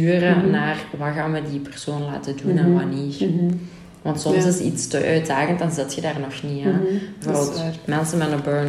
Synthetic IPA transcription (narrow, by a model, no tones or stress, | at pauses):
yːrənaːrʋɑɣaːnʋədipɛr̥soːnla̰ːtədunanʋaniːr | ʋɑntsɔmsɪsḭtstəʔœɥddaːɣənt̚dɑnzɪtxədaːrnɔxnianbvoːrbəltmɛlˠsəmɛnəbøn